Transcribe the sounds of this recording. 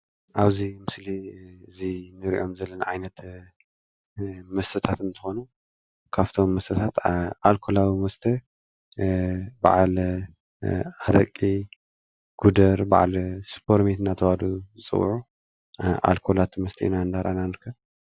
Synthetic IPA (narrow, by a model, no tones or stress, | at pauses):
ʔaβzimɨsliɨzinɨɾiʔo̞mzɐlːɐnaʕajnɐt̪ | mɐst̪ʰɐt̪ʰat̪ɨnt̪ʰɨxo̞nu | kʰaβt̪ʰo̞mːɐst̪ʰɐt̪ʰat̪alkʰolawimɐst̪ʰɐ | ba̰ʕl | aɾɐkʼi | ɡ̥ud̪ɐɾba̰ʕlspʰo̞ɾmet̪nat̪ʰɐβaluzɨt͡sʼɨ̰wʕu | ʔa̰lkʰolat̪ʰmɐst̪ʰḭḭnaɨnd̪aɾʔananɐɾkʰɐ